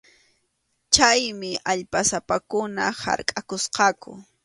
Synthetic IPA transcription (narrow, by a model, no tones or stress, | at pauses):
t͡ʃajmɪʔaʎpasapakʊna̰ha̰ɾkʼakʊsqɑkʊ̰